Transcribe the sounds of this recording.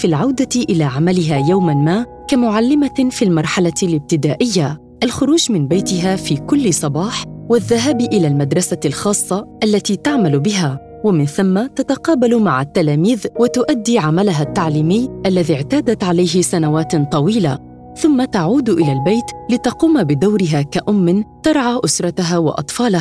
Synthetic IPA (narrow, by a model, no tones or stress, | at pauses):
fiːlʕawd̪aʔɪlaːʕamalɪɦaːjawmanmaːʔ | kamʊʕalːɪmafiːlmɑɾˤħalalɪb̚t̪ɪd̪aːʔɪjːa | ʔalxʊɾuːd͡ʒmɪnbajt̪ɪɦaːfiːkʊlːɪsˤɑbɑːħwaðːaɦaːbʔɪlaːlmad̪ɾˤɑsalxɑːsˤːɑʔalːat̪iːt̪aʕmalbɪɦaː | wamɪnθamːat̪at̪aqɑːbalmaʕat̪ːalaːmiːðwɪt̪ʊʔad̪ːiːʕamalaɦat̪ːaʕliːmɪjːʔalːaðiːʕt̪aːd̪at̪ʕalajɦɪsanawaːt̪t̪ˤɑwiːla | θʊmːat̪aʕuːd̪ʔɪlalbajt̪lɪt̪ɑquːmabɪd̪awɾɪɦaːkaʔʊmːɪnt̪ɑɾˤʕaːʔʊsɾˤɑt̪aɦawɪ̰ʔɑ̰t̪ˤfɑːlah